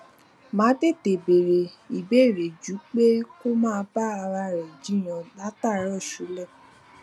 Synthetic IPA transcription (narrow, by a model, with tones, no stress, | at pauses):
mãː˨˦de˦˨te˨be˨ɾe˨ | i˨be˦˨ɾe˨d͡ʒu˨˦k͡pe˦ko˦mãː˦˧˦ba˦a˧ɾa˧ɾɛ˨d͡ʒi˨˦j̃ɔ̃˧ɡ͡ba˦ta˦˨˦ɾɔ˦˨ʃu˨˦lɛ˦˨